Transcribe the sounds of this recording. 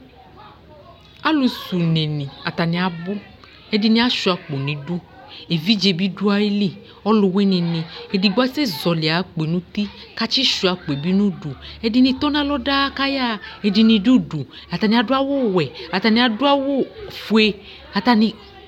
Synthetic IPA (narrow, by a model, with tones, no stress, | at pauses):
a˦lu˨su˨nẽ˨nĩ˨a˨t̪a˨nĩ˨a˨bʊ˦ | e˦di˦nĩ˦a˦ʃu˨a˨k͡po˨nĩ˨du˦ | e˨vi˦d͡ʒe˨bi˦du˦a˨e˦li˦˨ | ɔ˦lʊ˨we˦nĩ˨nĩ˨e˨di˨ɡ͡ba˦se˦zɔ˨lɪ˨a˨˦k͡pnũ˦t̪i˦ka˦t͡ʃi˦ʃu˨˦a˨k͡po˨e˨bi˦nũ˦ɖu˨e˦di˧nĩ˧t̪ɔ˦nã˦lɔ˦da˦ka˦ja˦e˨di˧nĩ˧du˦du˨ | a˨t̪a˨nĩ˨˦a˨dʊ˦a˦wo˦wɛ˨a˨t̪a˨nĩ˦a˨dʊ˦a˦wo˦fu˨˦e˦ | a˨t̪a˨nĩ˧